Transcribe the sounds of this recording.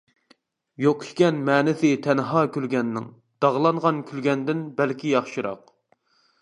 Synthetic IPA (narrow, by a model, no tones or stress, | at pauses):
joqʰʊ̥ʃkʲɛnmɛːnɪsɪt̪ʰɛnɦɑːkʲylɡʲɛnːɪ̰ŋ | d̪̥ɑʁlˠɑɴʁɑnkʲʰylɡʲɛnd̪ɪnbælkʲijɑχʃɨɾɑ̰q